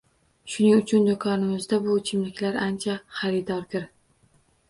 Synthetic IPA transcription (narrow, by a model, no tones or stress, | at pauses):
ʃʊnɪŋʊt͡ʃʰʊnd̪ʊkʰɒnɪmɪzd̪abʊt͡ʃʰɪmlɪkʲlaɾant͡ʃʰaχaɾɪd̪ɒɾd̪ɪɾ